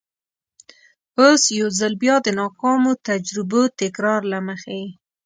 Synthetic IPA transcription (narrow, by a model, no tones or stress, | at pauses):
osjawzalbjɑd̪ənɑkɑmot̪ad͡ʒɾɪbot̪ɪkɾɑɾlaməxe